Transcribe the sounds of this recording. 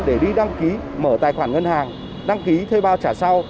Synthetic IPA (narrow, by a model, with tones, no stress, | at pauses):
ɗe˧˩ɗi˧ɗa˧ŋki˨˦məː˧˩t̪aː˨˩jxwaː˧˩nŋə˧nhaː˨˩ŋ | ɗa˧ŋki˨˦t̪ʰe˧ɓaː˧˩wt͡ɕaː˧˩sa˧w